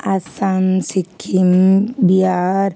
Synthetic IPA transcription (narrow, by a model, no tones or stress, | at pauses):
ɐsamsikʰimbiaɾ